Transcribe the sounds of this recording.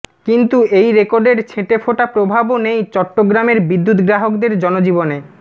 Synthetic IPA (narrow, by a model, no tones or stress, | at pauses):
kint̪uejɾekoɾɖeɾt͡ɕʰeʈefʰoʈapɾobʱabonejt͡ɕɔʈːoɡɾameɾbid̪ːut̪ɡɾaɦokd̪eɾd͡ʑɔnod͡ʑibone